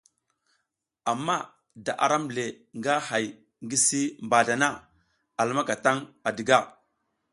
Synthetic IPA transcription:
a˨mːa˦ | da˨ʔa̰˨ɾa˦m˨le˨ | ŋɡa˦ha˨j | ŋɡi˦si˦mba˨da˨na˦ | a˨lma˦ka˨ta˦ŋa˨di˨ɡa˦˨

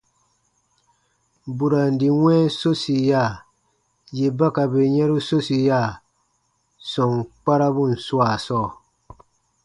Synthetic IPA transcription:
bu˨ɾa˨n̩˨di˨wʷɛ̃˦so˦si˨ja˦˨ | je˨ba˦ka˨be˨ɲɛ˦ɾu˦so˦si˨ja˦˨ | sɔ˨ŋk͡pa˦ɾa˦bu˦˨n̩˨swa˨sɔː˦˨

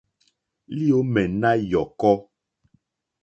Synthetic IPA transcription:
li˦o˦mɛ˨na˦jɔ˨kɔ˦

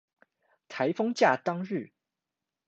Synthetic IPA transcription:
t̪ʰa˧˥ɪfɤ˥ŋt͡ɕja˥˩t̪ɑ˥ŋɻ̩˥˩

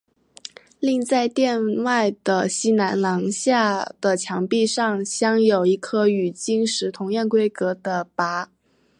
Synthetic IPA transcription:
li˥˧ŋt͡sa˥˧ɪt̪jɛ˥˧nwa˥˩ɪd̪̥ə˩ɕi˥na˧˥nlɑ˧˥ŋɕja˥˩d̪̥ə˩t͡ɕʰjɑ˧˥ŋpi˥˧ʂɑ˥˩ŋɕjɑ˥ŋjo˨˩ʊi˧˥kʰɤ˥y˨˩t͡ɕi˥ŋʂɻ̩˧˥t̪ʰʊ˧˥ŋjɛ˥˩nkwe˥ɪkɤ˧˥d̪ə˧pa˧˥

